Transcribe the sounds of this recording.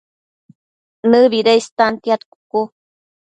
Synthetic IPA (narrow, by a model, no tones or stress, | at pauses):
nɨβiɾejst̪ant̪jat̪ku̥ku